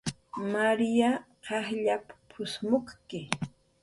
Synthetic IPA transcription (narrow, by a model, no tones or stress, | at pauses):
maɾija | ɢɑχʎapḁpʰʊsmoχkɪ